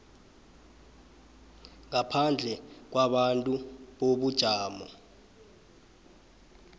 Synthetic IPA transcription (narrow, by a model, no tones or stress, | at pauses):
ŋapʰand͡ɮʱɛk̬waɓantʼuɓoɓud̥ʒ̥ʱaːmɔ